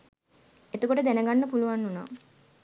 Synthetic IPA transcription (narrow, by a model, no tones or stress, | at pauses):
et̪ukoʈəd̪ænəɡanːəpuluʋanːuna̰ː